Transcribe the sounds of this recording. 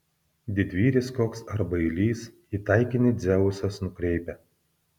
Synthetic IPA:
d̪ʲɪd̪ʲʋʲiːɾʲɪskoːksɐɾbɐɪlʲiːs | iːt̪ɑɪkʲɪnʲɪd̪zʲɛʋʊsɐsnʊkɾʲɛɪpʲɛ

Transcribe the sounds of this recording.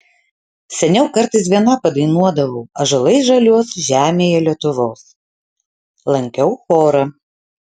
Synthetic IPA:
sʲɛnʲɛʊkɐɾt̪ɐɪsʋʲiɛnɐpɐd̪ɐɪnuɔd̪ɐʋɐʊɐʒɐlˠɐɪʒɐlʲuɔsʒʲæːmʲeːjɛlʲiɛt̪ʊʋoːs | lˠɐŋʲkʲɛʊxoːɾɐ

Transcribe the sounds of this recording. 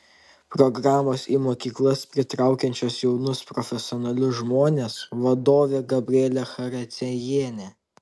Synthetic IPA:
pɾɔɡɾɑːmoːsiːmoːkʲiːklˠɐspʲɾʲɪt̪ɾɑˑʊkʲɛnʲt͡ʃʲoːsjɛʊnʊspɾɔfʲɛsʲɪɔːnɐlʲʊsʒmoːnʲeːsʋɐd̪oːʋʲeːɡɐbʲɾʲɪɛːlʲɛxɐɾʲɐt̪sʲɛjeːnʲɛ

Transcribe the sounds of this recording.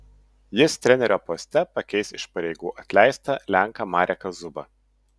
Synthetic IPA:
jɪst̪ʲɾʲɛnʲɛɾʲoːpɔsʲt̪ʲɛpɐkʲɛɪsɪʃpɐɾʲɛɪɡuːʔɐt̪ʲlʲæˑɪst̪ɐlʲæˑŋkɐmɑːɾʲɛkɐzʊbɐ

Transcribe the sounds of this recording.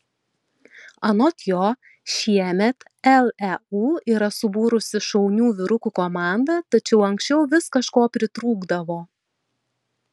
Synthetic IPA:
ɐnɔt̪ʲjoː | ʃʲiɛmʲɛt̪ | ɛlˠɛuːiːɾɐsʊbuːɾʊsʲɪʃɐʊnʲuːʋʲɪɾʊkukoːmɑˑnd̪ɐt̪ɐt͡ʃʲɛʊɐŋksʲt͡ʃʲɛʊʋʲɪskɐʃkoːpʲɾʲɪt̪ɾuːɡd̪ɐʋoː

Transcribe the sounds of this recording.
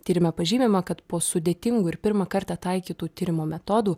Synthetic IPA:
t̪ʲiːɾʲɪmʲɛpɐʒʲiːmʲɪmɐkɐt̪poːsʊd̪ʲeːt̪ʲɪŋɡuːɪɾpʲɪɾmɐkɐɾt̪ɐt̪ɐɪkʲiːt̪uːt̪ʲɪːɾʲɪmoːmʲɛt̪ɔd̪uː

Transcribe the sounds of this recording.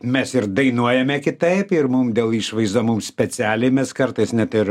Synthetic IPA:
mʲɛsɪɾd̪ɐɪnuɔjɛmʲɛkʲɪt̪ɐɪpɪɾmʊmd̪ʲeːlˠiːʃʋɐɪzd̪omumsʲpʲɛt͡sʲɪæːlʲeɪmʲɛskɐɾt̪ɐɪsnʲɛt̪ɪɾ

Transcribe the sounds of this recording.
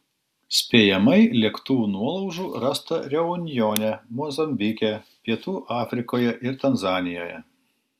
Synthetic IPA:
sʲpʲeːjɛmɐɪlʲikt̪uːnuɔlˠɐʊʒuːɾɐst̪ɐɾʲɛʊnʲjoːnʲɛmɔzɐmʲbʲɪkʲɛpʲiɛt̪uːʔɑːfʲɾʲɪkoːjɛʔɪɾt̪ɐnzɑːnʲɪjoːjɛ̰

